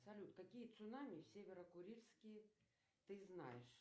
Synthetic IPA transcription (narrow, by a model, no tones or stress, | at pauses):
ɐpsalʲut̪kakʲijət̪sʊnamʲisʲevʲɛɾəkʊɾʲilʲskʲij | t̪ɨzna̰jɛʂ